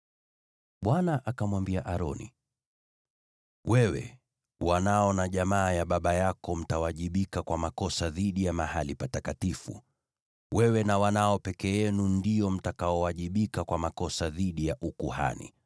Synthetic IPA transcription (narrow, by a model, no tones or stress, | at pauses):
ɓwanaʔakamwambiaʔaɾɔnḭ | wɛwɛ̰ | wanaɔnaʄamaːjaɓaɓajakɔm̩tawaʄiɓikakwamakɔsaðiɗijamahalipatakatifṵ | wɛwɛnawanaɔpɛkɛjɛnundijɔm̩takaɔwaʄiɓikakwamakɔsaðiɗijaʔukuha̰nḭ